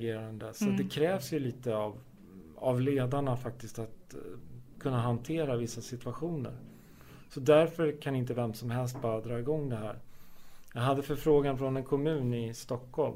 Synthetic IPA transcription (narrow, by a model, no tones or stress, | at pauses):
ɡeːɾand̪əsat̪̚d̪ɛkʰɾɛːvsjɵliːt̪əav | avleːd̪aɳafak̚t̪ɪst̪at̪ | kʰɵnːaɦant̪ʰeːɾavɪsːasɪt̪ʉaɧuːnə̰ɾ | sɔd̪æɾfœɾkʰanaɪnt̪̬əvɛmsɔmɦɛls̬t̪̚bɑːɾad̪ɾɑːɪɡɔŋːd̪ɛɦæ̰ːɾ | jɑɡɦad̪ːəfœɾfɾoːɡanfɾɔnɛnkʰɔmʉ̟ːnɪst̪ɔkhɔlm